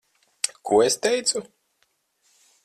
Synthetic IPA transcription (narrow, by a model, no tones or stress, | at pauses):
kʰuɔest̪ʲɛjt̪su